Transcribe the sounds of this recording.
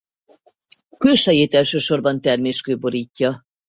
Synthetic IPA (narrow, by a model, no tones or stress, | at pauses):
køːʃɛjeːt̪ɛlʃøːʃo̞rbɒnt̪ɛrmeːʃkøːbo̞ɾiːcːɒ